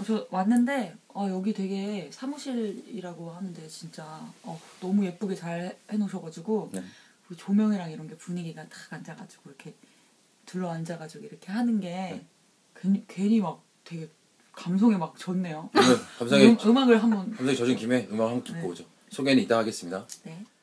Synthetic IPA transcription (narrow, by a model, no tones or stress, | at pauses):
ʌt͡ɕʌwanːɯnde̞ʌjʌɡitwe̞ɡe̞sʰamuɕʰiɾiɾaɡohanɯnde̞t͡ɕint͡ɕ͈aʌnʌmuje̞p͈uɡet͡ɕaɭhe̞noɕʰʌɡad͡ʑiɡo | kɯt͡ɕomjʌŋiɾaŋiɾʌnɡe̞puɲiɡiɡatḁɡand͡ʑaɡad͡ʑiɡ̥oiɾʌkʰe̞ | tɯɾʌand͡ʑaɡad͡ʑiɡoiɾʌkʰe̞hanɯnɡe̞ | keɲkwe̞ɲimak̚ | twe̞ɡe̞ | kams̬ʰoŋemak̚t͡ɕʌnːe̞joʌkamsʰaŋiɯmaɡɯɭɦambʌnamsʰaŋit͡ɕʌd͡ʑunkime̞ɯmaɡɯɭɦaŋɡkineoɡʌd͡ʑo | sʰoɡeniit͈ahaɡe̞s͈ɯmɲidane̞